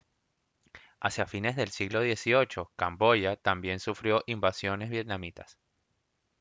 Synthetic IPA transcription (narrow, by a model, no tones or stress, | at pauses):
asjafine̞zðe̞lsiɣlo̞ð̞je̞sio̞t͡ʃo̞kambo̞ʝat̪ambje̞nsufɾjo̞ʔimbasjo̞ne̞zβje̞t̪̚namit̪as